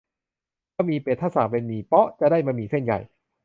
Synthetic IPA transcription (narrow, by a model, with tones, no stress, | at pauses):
ma˧˩miː˧peː˨˩t̪ʰːa˥˩saː˨˩˦mpe˧nmiː˧˩pɔ˦˥t͡ɕa˨ʔdaː˥˩jma˧miː˧se˥˩nja̰˨˩j